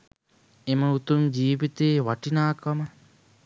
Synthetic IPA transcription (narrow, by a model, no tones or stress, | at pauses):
eməut̪umd͡ʒiːʋit̪eːʋaʈinaːkɐmə